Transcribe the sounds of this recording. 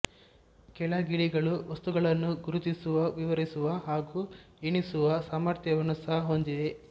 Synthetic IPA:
kɛlɐɡiɭiɡɐɭuʋɐst̪uɡɐɭɐnːuɡuɾut̪isuʋɐʋiʋɐɾisuʋɐɦaːɡu | eɳisuʋɐsaːmɐɾt̪ʰjɐʋɐnusɐɦɐɦond̪id̪e̞

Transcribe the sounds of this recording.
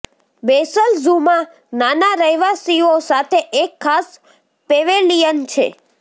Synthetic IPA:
besəlzuma | nanaɾəjʋasiosat̪ʰeʔekʰːas | peʋelijənt͡ʃʰḛ

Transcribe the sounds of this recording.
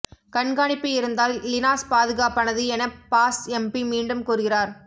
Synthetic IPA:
kɐɳɡaːɳɪpːɯɪɾɯnd̪aːllɪnaːspaːðɯɣaːpːɐnɐðɯɛnɐpaːsɛmpimiːɳɖɯmkuːɾɯɣɪraːɾ

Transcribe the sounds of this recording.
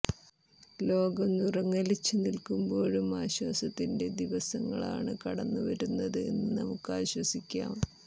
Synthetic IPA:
lo̞ːɡɐmnurɐŋːɐlit͡ɕːɨnilkumbo̞ːɻumaːɕwaːsɐt̪ːinde̞d̪iʋɐsɐŋːɐ̰ɭa̰ːɳɨkɐɽɐnːuʋɐɾunːɐðɨe̞nːɨnɐmukːaːɕwɐsikʲːa̰ːm

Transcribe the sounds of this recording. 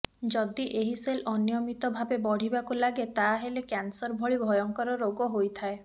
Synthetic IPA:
d͡ʒɔd̪iʔeɦiselɔnijɔmit̪ɔbʱabebɔɽ̤ibakulaɡet̪aɦelekansɔɾbʱɔɭibʱɔjɔŋkɔɾɔɾoɡɔɦojt̪ʰae

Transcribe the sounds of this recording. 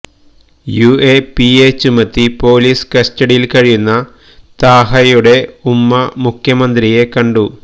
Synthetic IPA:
juepiet͡ɕumːɐt̪ːipo̞ːliːskɐsʈɐɽijilkɐɻijunːɐ | t̪aːɦɐjuɽe̞umːɐmukʰjɐmɐnd̪rije̞kɐɳɖu

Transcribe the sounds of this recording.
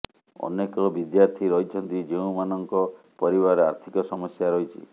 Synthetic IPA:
ɔ̰nekɔbid̪jaɾt̪ʰiɾɔɦit͡ʃʰɔnt̪id͡ʒeũmanɔŋkɔ | pɔɾiβaɾɔa̰ɾt̪ʰikɔsɔmɔsjaɾɔɦit͡ʃʰḭ

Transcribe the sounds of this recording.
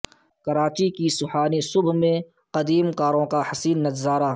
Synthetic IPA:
kɐɾaːt͡ʃikisʊhaːnisʊbʱmẽ | qɐd̪iːmkaːɾõkahɐsiːnːɐt̪zaːɾaː

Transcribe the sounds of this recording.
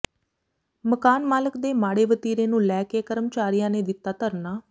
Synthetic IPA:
məkaːnmaːləkd̪eːmaːɽeːʋət̪iːɾeːnũːlɛːkeːkəɾəmt͡ʃaːɾijãːneːd̪ɪt̪ːaːt̪əɾnaː

